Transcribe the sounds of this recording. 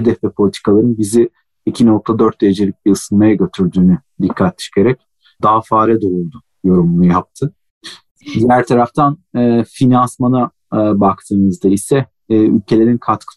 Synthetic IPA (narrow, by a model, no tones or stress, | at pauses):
hed̪ɛfvɛpʰo̞lʲit̪ʰi̥kʰalˠaɾɯnbizi | icʰinok̚t̪ʰad̪øɾt̪̚d̪ejed͡ʒe̞lʲic̚biɯsɯnmajaɟø̞t̪ʰyɾd̪yːny | d̪ikʰːat̪ːʃkeɾɛc̚ | d̪aɦafaːɾɛd̪oɾulˠd̪u | jo̞ɾumnˠujap̚t̪ʰɯ | d̪ijæɾt̪ʰaɾaft̪ʰanːfinansmana | bakt̪ʰɯːnɯzd̪aisɛː | y̰lʲcʰe̞lʲe̞ɾinkʰat̪kʰɯ̥